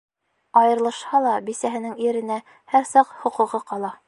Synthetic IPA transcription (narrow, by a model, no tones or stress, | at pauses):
ɒjɤ̆ɾlˠɤ̆ʃhɑlˠɑbisæɦɘ̆nɘŋiɾɘ̆næ | hæɾsɑqhŏqŭʁɤqɑlˠɑ